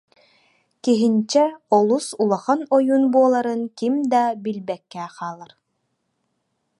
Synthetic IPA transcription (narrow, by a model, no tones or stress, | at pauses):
kiɦint͡ɕɛɔlˠusulˠaχanɔjunbuɔlˠaɾɯnkimd̪abilbɛkːɛːqaːlˠaɾ